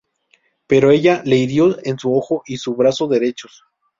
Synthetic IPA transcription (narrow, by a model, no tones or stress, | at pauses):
pe̞ɾo̞e̞ʝale̞iɾjo̞ensuo̞xo̞ʔisuβɾasoðe̞ɾe̞t͡ʃo̞s